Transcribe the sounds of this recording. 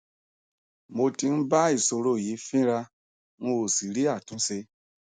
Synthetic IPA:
mo˧ti˧n̩˦ba˦i˦˨so˧ɾo˦˨ji˨˦fĩ˦ɾa˧ | mo˧o˨si˨ɾi˦a˦˨tũ˨˦se˧

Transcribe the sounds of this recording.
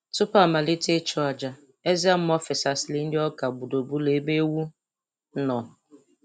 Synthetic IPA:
tʊ˦pa˦˨ma˨lɪ˦te˦t͡ʃʊ˦a˨d͡ʒa˨ | e˦za˦m̩˦mɔ˦fɪ˨sa˨sɪ˨lɪ˦n̩˦dɪ˦ɔ˦ka˨bu˨do˨bu˦le˨˦be˦wu˦ | nɔ˨

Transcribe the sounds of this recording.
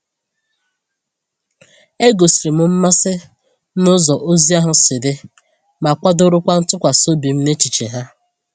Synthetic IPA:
e˦ɡo˨si˨ɾi˨mʊ˦m̩˦ma˦sɪ˦ | mʊ˦zɔ˨ʔo˦zi˦a˦ɦʊ˦sɪ˨dɪ˦ | ma˨kʷa˦dʊ˦ɾʊ˦kʷa˦n̩˦tʊ˦kʷa˨so˦bi˨m̩˦ne˦t͡ʃi˨t͡ʃḛ˨ɦa˦

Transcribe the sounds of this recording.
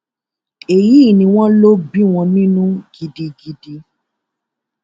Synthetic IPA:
e˨ji˦˨nĩ˧w̃ɔ̃˦lo˦bi˦w̃ɔ̃˧nĩ˦nũ˦ɡi˧di˧dɡi˧di˧

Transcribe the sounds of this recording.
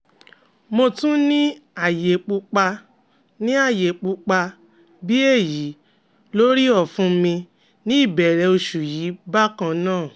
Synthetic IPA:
mo˧tũ˦nĩ˦a˦˨je˨k͡pu˧k͡pa˧ | nĩ˦a˦˨je˨k͡pu˧k͡pa˧ | bi˦e˦˨ji˨˦ | lo˦ɾi˦ɔ˦˨fũ˧mĩ˧ | nĩ˦i˦˨bɛ˨ɾɛ˨˧˦o˧ʃu˨jiː˨˦ba˦kã˧nãː˦˨

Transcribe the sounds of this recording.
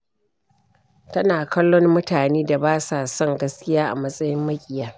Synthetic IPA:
tɐ˦naː˨kɐ˦lːɔ˦mmʊ˦taː˨neː˦da˨baː˦saː˨sɔ˦ŋɡɐ˦skʲɪ˦jaː˦ʔa̰˨mɐ˦sʼɐ˦jɪ˦mːɐ˦kʲʼɪ˨jɐ˦r

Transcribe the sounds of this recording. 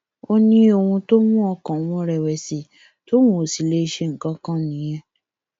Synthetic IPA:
o˧nĩ˧˦o˧˨wũ˧to˦mũ˦ɔ˧kã˨˦wɔ̃˨˧˦ɾɛ˨wɛ˨si˨˦ | to˦mõ˦˨si˨le˦i˧ʃe˧ŋ̩˨kã˨˦kã˦nĩ˨˦j̃ɛ̃˧

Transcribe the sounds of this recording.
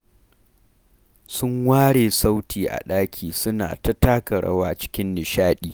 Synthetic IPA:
sʊ˦ŋwaː˦ɽeː˨sa˦wtʰiː˨ʔa̰˨ɗaː˦kʲʰiː˨sʊ˦na̰ː˨tɐ˦taː˦kɐ˨ɽɐ̰˦waː˦t͡ʃɪ̥˦kʲɪ˦nːɪ˨ʃaː˦ɗiː˨

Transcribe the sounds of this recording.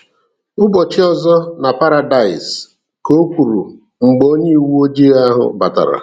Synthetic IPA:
ʊ˦bɔ˨t͡ʃɪ˦ɔ˦zɔ˦na˨pa˦ɾa˨da˨ɪ˨s | ko˦kʷu˨ɾu˨ | ŋ͡m̩˨ɡ͡bo˦ɲe˦˨wu˦o˦d͡ʒi˦ɣa˦ɦʊ̰˨ba˨ta̰˨ɾa̰˨

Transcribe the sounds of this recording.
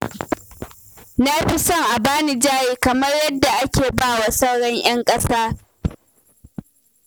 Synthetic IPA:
na˦ɸi˦sɔ˦ŋʔa˨baː˦ni˨d͡ʒaː˦jeː˦kɐ˨mɐ˦rjɐ˦dːa˨ʔa˦kʲeː˨baː˦˨wa˨sɐ˦wɽɔ˦ɲʔj̰ɐ˦ŋkʼɐ˦saː˦

